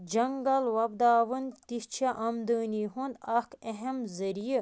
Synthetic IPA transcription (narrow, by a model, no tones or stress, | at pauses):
d͡ʒɐŋɡɐlwɐbd̪aːʋɨnt̪iht͡ʃʰɐʔɐmd̪ɨːnʲiːɦund̪akʰeɦɐmzɐɾiji